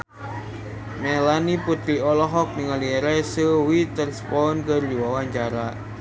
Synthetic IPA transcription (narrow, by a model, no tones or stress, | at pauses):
melaniput̪ɾiɔlɔɦɔk̚niŋaliɾɛsəwit̪ərsə̥pɔɔnkərd͡ʒiwawaɲt͡ʃaɾa